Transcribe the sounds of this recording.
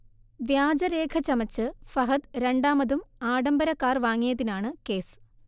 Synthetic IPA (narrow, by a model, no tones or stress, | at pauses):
ʋjaːd͡ʑɐɾe̞ːkʰɐt͡ɕɐmɐt͡ɕːɨfɐɦɐt̪ɾe̞ɳɖaːmɐðumaːɽɐmbɐɾɐkːaːrʋaːŋːijɐðinaːɳɨke̞ːsɨ̥